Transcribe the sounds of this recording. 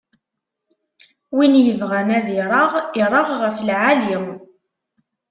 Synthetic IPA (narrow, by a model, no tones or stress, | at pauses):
winjəvʁænæðiɾˤɑʁɪɾˤɑʁʁəflʕaliw